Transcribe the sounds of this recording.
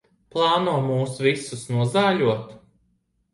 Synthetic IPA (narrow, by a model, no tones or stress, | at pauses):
plˠɑːnuɔmuːsvisusnuɔzaːʎuɔt̪